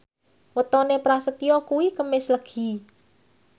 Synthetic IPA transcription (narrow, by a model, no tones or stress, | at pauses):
wət̪ɔnepɾasət̪ijɔkuwikəmɪsləɡ̥i